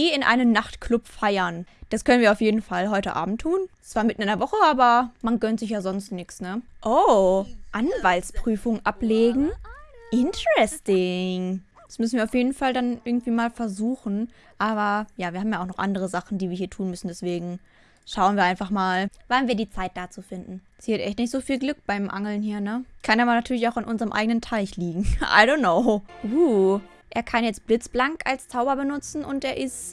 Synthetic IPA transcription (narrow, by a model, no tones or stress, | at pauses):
iːɪnʔa̰ɪnənnaχtklʊpfaɪɐnd̥askʰœnənviːɐaʊfjeːdn̩falɦɔʏtəʔa̰ːbm̩tʰːuːnt͡sv̥aːɐmɪtn̩ɪnɐvɔχəʔaːbɐmanɡœntz̥ɪçjaːzɔnstnɪksnəʔo | ʔanvaltspʁ̥yːfʊŋʔapleːɡŋ̩ʔɪntəʁɛstɪŋ | d̥ḁsmʏs̬n̩viːɐaʊfjeːdn̩faldanʔɪɐɡŋ̩tv̥iːmaːlfɛɐzuːxn̩ | ʔaːβɐjaːviɐhabm̩jaʊxnɔχʔa̰ndəʁ̞əzaχn̩diːviːɐɦiːɐtʰuːnmʏsn̩dɛsv̥eːɡŋ̩ | ʃaʊənviɐaɪnfaχmaːlvanviːɐdiːt͡saɪt̚d̥aːt͡suːfɪndn̩ | siːatʔɛçtnɪçtz̥oːfiːlɡlʏkb̥aɪmʔaŋl̩nhiːɐnəkʰanaːbɐnatʰyːɐlɪçaʊxanʔʊnzəʁəmʔa̰ɪɡənəntʰaɪçliːɡŋ̩ʔa̰ɪdoːnnːoʊuː | ʔeːɐkʰanjɛt͡stb̥lɪt͡sb̥laŋka̰lst͡saʊbɐbənʊt͡sn̩ʔʊnteːɐʔɪst